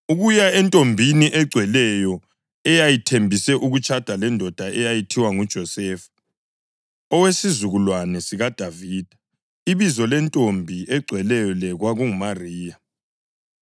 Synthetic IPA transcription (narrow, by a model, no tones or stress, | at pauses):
uɣujaɛntʼombʱiniʔɛɡ͡ǀʱwɛlɛjɔ | ɛjajitʰembʱisɛʔuɣut͡ʃʰʼad̥ʱalɛndʱɔd̥ʱaʔɛjajitʰiwaŋud̥ʒ̥ʱɔsɛːfu̥ | ɔwesizuɣulwanɛsiɣad̥ʱaviːd̥ʱḁ | iβizɔlɛntʼombʱiʔɛɡ͡ǀʱwɛlɛjɔlɛɣwaɣuŋumariːja